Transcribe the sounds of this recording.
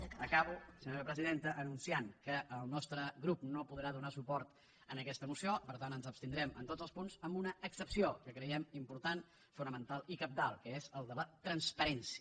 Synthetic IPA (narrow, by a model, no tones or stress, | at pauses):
əkaβusəɲoɾəpɾəziðent̪əʔənunsiaŋkəʔːlˠnɔst̪ɾəɣɾupnopuðɾaðunasupɔɾt̪ | ənəkɛst̪əmusiopəɾt̪anənzəpst̪ind̪ɾɛmə̰nt̪od͡zəlˠspunzəmbunəːksəpsiokəkɾəjɛmimpuɾt̪an | funəmənt̪alˠikəp̚t̪alˠkəezəlˠd̪ələt̪ɾənspəɾɛnsiə